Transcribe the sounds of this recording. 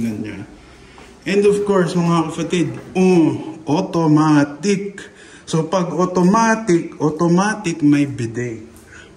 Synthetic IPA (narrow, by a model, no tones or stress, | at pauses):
nɐnɲa | ʔɛ̃nd̪ɔfkoɹsmɐŋakɐpɐt̪ɛd̪̚oʔot̪omat̪ɪk̚ | sopɐɡot̪omaːt̪ɪk̚ʔot̪omaːt̪ɪkmɐjbɪd̪ɛk